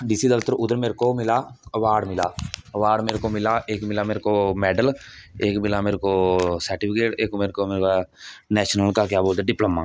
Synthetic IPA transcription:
ɖɪsiːd̪əlt̪əɾʊd̪əɾmeːɾkomɪlaːəʋaːɖmɪlaːəʋaːɖmeːɾkoːmɪlaʔeːkmɪlaːmeːɾkomɛːɖəleːkmɪlaːmeːɾkoːsəɾʈɪpʰɪkeːʈeːkmeːɾkomeːɾkanɛːʃnəlkakjaːboːld̪aɖɪpləmːaː

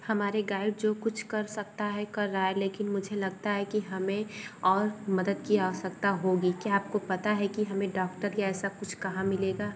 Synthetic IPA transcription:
hɐmaːɾeɡaːɪɖ̚d͡ʒoːkʊt͡ʃʰkɐɾsɐk̚t̪aɦɛkɐɾːaaɛleːkɪnmʊd͡ʒʱelɐɡ̚t̪aɦɛkiɦɐmẽɔːɾmɐd̪əd̪kiasɐk̚t̪aɦoːɡikjaaːp̚kopɐt̪aɦɛkiɦɐmẽɖɔːk̚ʈəɾjaɛːsakʊt͡ʃʰkɐɦãmɪleːɡaː

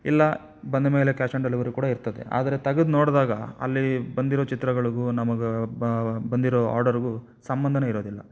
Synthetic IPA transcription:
ḭlːɐ | bɐnd̪ɐme̞ːle̞kaːʂɐɳɖɐlːɐʋɐɾukuːɽɐiɾt̪ɐd̪e̞̰ʔa̰ːd̪ɐɾe̞t̪ɐɡɐd̪noːɽd̪aːɡɐɐ̰lːibɐnd̪iɾoːt͡ʃit̪ɾɐɡɐɭiɡunɐmɐɡe | bɐnd̪iɾoːa̰ːɾɖɐɾɡu | sɐmbɐnd̪ʱɐneiɾo̞ːd̪ilːɐ̰

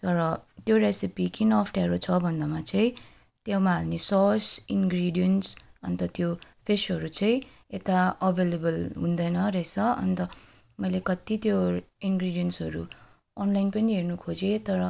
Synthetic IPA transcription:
t̪ʌɾʌt̪joresipikinʌːpʰʈaɾot͡sʰʌbʱʌnd̪amat͡saĩ | t̪jawmaɦalnesʌsinɡriɖijʌnsʌnt̪ʌt̪jopʰesɦʌɾut͡saĩ | et̪aʌbʱelebʌlɦũnd̪ʌjnʌret͡sʰʌʌ̰nt̪ʌ | mʌjlekʌt̪it̪joinɡriɖijʌnsɦʌɾu | ʌnlajnpʌniɦernukʰod͡zet̪ʌɾʌ

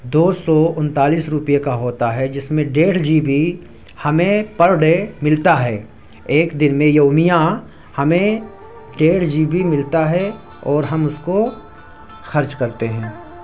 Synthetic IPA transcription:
d̪oːsɔʊ̃nt̪aːliːsɾʊpijekaɦoːt̪aɦɛd͡ʒɪsmẽɖeːɽ̤d͡ʒiːbi | hɐmẽpɐɾɖemɪlt̪aɦɛː | eːkd̪ɪnmẽjoːmijã | hɐmẽ | ɖeːɽ̤d͡ʒiːbʱimɪlt̪aɦɛ | ɔːɾɦɐmʊsko | xɐɾt͡ʃkɐɾt̪eɦɛ̃ː

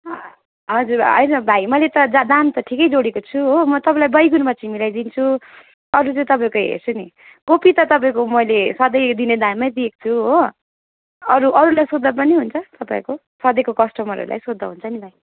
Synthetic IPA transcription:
ʌ | ɦʌd͡zuɾʌ̰jnʌbʱajmʌlet̪ʌd͡zad̪ant̪ʌʈʰikʌjd͡zoɽekot͡sʰuɦomʌt̪ʌpãlajbʌjɡunmat͡similajd̪int͡sʰu | ʌɾut͡sʌj̃t̪ʌpaĩkojɦḛrt͡sʰuni | kopit̪ʌt̪ʌp̬aĩkomʌjlesʌd̪ʌjd̪ined̪anmʌjd̪ieko̥t͡sʰuɦo | ʌɾuʔʌɾulajsod̪ːʌp̬ʌniɦunt͡sʰʌt̪ʌpaĩko | sʌd̪ʌjkokʌsʈʌmʌɾṵɾulʔa̰jsod̪ʱːʌ̰ɦunt͡sʰʌnibʱaj

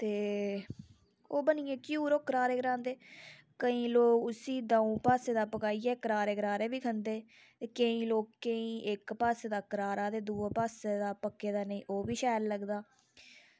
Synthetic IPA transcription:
t̪eː | oːbənɪːẽːkjuːɾoːkəɾaːɾeːkɾãːnd̪eː | kəĩːloːkʊsiːd̪ãːũːpaːseːd̪aːpəkaːiːɛːkəɾaːɾeːkɾaːɾeːbiːkʰənd̪eː | t̪eːkəĩːloːkːəĩːʔɪkpaːseːd̪aːkəɾaːɾaːd̪eːd̪uːaːpaːseːd̪aːpəkːeːd̪aːnəĩːʔoːbiːʃɛːlləɡd̪aː

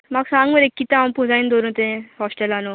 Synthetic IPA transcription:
maɡsãŋɡməɾekːit̪ãampud͡zaind̪oɾũt̪ẽɦɔsʈelano

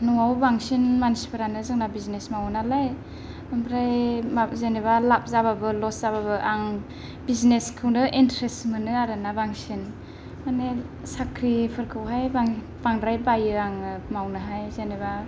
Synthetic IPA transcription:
nɔŋawbaŋsinmansi̥pʰɯɾanɯzɯŋnabiznesmawnalaj | bambʰɾajmazeneβalap̚zababɯlɔszaβabɯʔaŋ | bizneskʰɯwnɯʔintɾestmɯnɯaɾɯnabaŋsin | mane | sakʰɾipʰɯɾkʰɯwɦajbaŋ | baŋdɾajbajɯaŋɯmawnɯɦajzeneba

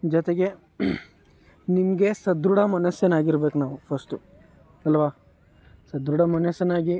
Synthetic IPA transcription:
d͡ʒɔt̪eɡe̞ | nimɐɡe̞sɐd̪ɾuɽɐmɐnɐsjɐnaːɡiɾbe̞ːkunaːʋupʰɐsʈu | ɐlʋaː | sɐd̪ɾuɽɐmɐnɐsjɐnaːɡi

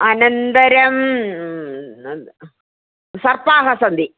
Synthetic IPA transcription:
ɐnɐnd̪ɐɾɐm | sɐrpaːɦɐsɐnd̪i

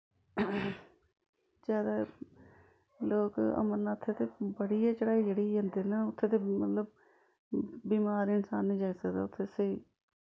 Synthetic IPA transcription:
zjaːd̪aː | loːkə̰məɾnaːʊt̪ʰːeːt̪eːbəɽiːaːt͡ʃəɽaːiːd͡ʒeːɽiːɦə̃nd̪eːnaʊt̪ʰːeːt̪eːmət̪ləb̚ | biːmaːɾɪnsaːnːĩːd͡ʒaisəkd̪a̰ːʊt̪ʰːeːseiː

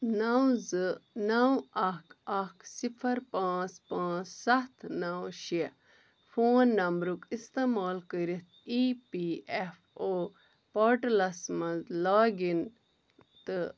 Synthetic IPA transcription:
nawzɨnawɐkɐksifʰɐɾpãːt͡spãːt͡ssɐt̪ʰnawʃi | foːnːɐmbɾukist̪eːmaːlkəɾit̪̚ʰiːpiːef | oː | poːɾʈɐlɐsmɐzlaːɡin | t̪ɨ

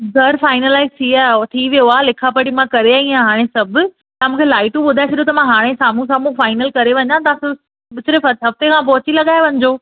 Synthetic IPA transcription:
ɡʱɐɾfaːɪnəlaːɪzt̪ʰiat̪ʰiʋijoaːlɪkʰapɐɽimãkɐɾeaĩãɦaːɽ̃esɐbʱʊ̆ | t̪ɐ̃mũːkʰelaːɪʈũɓʊd̪ʱaet͡ɕʰɐɗijot̪ɐmãɦaːɽ̃esaːm̤ũs̬aːmũfaːɪnəlkɐɾeʋɐ̃ɲãt̪ɐãs | ɓɪsʊɾefɐɦɐft̪ekʰãːp̬ɔɦʊt͡ɕilɐɠaːeʋɐ̃ɲd͡ʑoː

